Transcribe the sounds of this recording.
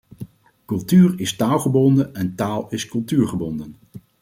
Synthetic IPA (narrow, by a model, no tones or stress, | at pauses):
kɵlˠtyːrɪstaːlˠχəbɔndənɛntaːlˠɪskɵlˠtyːɹχəbɔndən